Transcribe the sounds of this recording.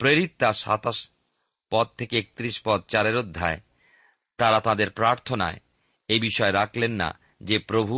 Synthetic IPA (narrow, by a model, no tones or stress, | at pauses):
pɾeɾit̪ːaʃa̰t̪aʃ | pɔd̪̚t̪ʰekeek̚t̪ɾiʃpɔd̪̚t͡ɕaɾeɾod̪ʱːae | t̪aɾat̪ad̪eɾpɾaɾt̪ʰona̰e | ejbiʃɔeɾakʰlenːa̰ | d͡ʑepɾobʱu